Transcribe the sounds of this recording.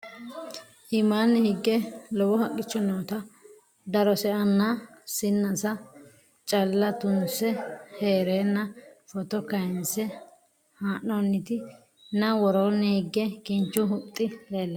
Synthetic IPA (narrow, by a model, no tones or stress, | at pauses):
hɪmanːɛhɪɡːɛlɔwɔhɐkʼːɪt͡ʃːɔnoːt̪ɐ | d̪ɐɾɔsɛʔɐnːasɪnːɐsɐ | t͡ʃʼɐlːɐt̪ʊnsɛheːɾeːnːɐfɔt̪ɔkɐjnsɛ | haːʔːɔnːɪt̪ɪ | nɐwɔɾoːnːɛhɪɡːɛkɪnt͡ʃːʊɦʊt̪ʼːɪleːlːɐ